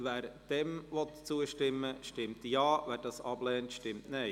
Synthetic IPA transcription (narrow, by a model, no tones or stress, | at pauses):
ʋɛːɾd̥ɛmʋɔt̪t͡suəʃtɪmːəʃtɪmtjɑːʋæːɾd̥ɑsɑb̥lɛːntʃtɪmtnɛɪ